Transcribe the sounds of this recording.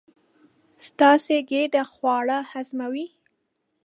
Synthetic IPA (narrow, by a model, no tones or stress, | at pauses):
st̪ɑseɡeɖaxwɑɽahazmawi